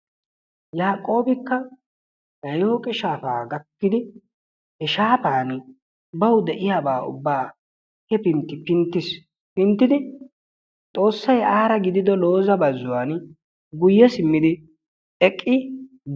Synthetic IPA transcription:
jaːkʼo̞ːbɪkːɐ | nɐjoːkʼɪʃaːfa̰ːɡɐkːɪd̪ɪ | hɛʃaːpaːn | bɐwʊd̪ɛʔɪjaːbaːʊ̰bːaː | hɛpɪnt̪ːɪpɪnt̪ːɪs | pɪnt̪ːɪd̪ɪ | t̪ʼo̞ːsːɐjaːɾɐɡɪd̪ɪd̪ɔlo̞ːzɐbɐzːʊwaːn | ɡʊjːɛsɪmːɪd̪ɪ | ɛkʼːɪ

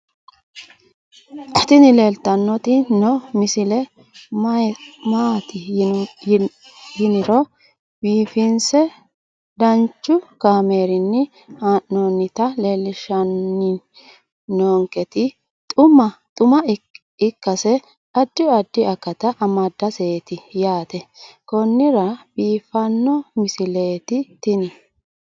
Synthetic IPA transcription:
ʔɐt̪ɪnɪle̞ːlt̪ɐnːɔt̪ɪnɔmɪsɪlɛ | maːt̪ɪ | hɪnɪɾɔ | biːfɪnsɛ | d̪ɐnt͡ʃːʊkaːme̞ːɾɪnːɪ | hanoːnːɪt̪ɐleːlːɪʃɐnːɪ | noːŋkɛt̪ɪ | t̪ʼʊmɐt̪ʼʊmɐ | ɪkːɐsɛ | ɐd̪ːɪɐd̪ːɪɐkːɐt̪ɐʔɐmɐd̪ːɐseːt̪ɪjaːt̪ɛkɔnːɪɾɐbiːfɐnːɔmɪsɪle̞ːt̪ɪt̪ɪnɪ

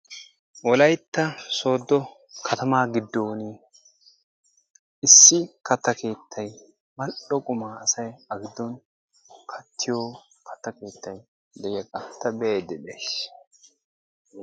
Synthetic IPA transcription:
wɔlɐjt̪ːɐso̞ːd̪ːɔ | kʰɐt̪ɐmaːɡɪd̪ːoːni | ɪsːɪkɐt̪ːɐke̞ːt̪ʰːɐj | mɐʔɔkʼʊmaːɐsɐjɐɡɪd̪ːɔn | kʰɐt̪ʰːɪjoː | kʰɐ̥t̪ːɐke̞ːt̪ːɐj | d̪ɛjɛkʼɐt̪ːɐbɛeːd̪ɛbeːs

